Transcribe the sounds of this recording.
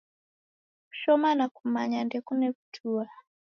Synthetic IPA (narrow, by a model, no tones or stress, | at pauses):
u̥ʃɔmanakumaɲandɛkunɛβutʰua